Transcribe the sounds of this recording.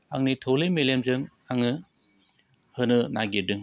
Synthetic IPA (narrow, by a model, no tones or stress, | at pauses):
aŋnitʰolemelemzɯŋ | aŋɯ | hɯnɯnaɡedɯŋ